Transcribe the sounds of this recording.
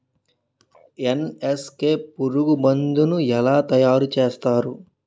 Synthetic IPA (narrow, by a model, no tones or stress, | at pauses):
eneskeːpuɾuɡubɐnd̪unuɛlaːt̪ɐjaːɾut͡ʃeːst̪aːɾu